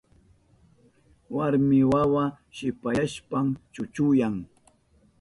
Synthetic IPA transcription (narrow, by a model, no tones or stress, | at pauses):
waɾmɪwawa | ʃɪpaʃpamt͡ʃʊt͡ʃʊjaŋ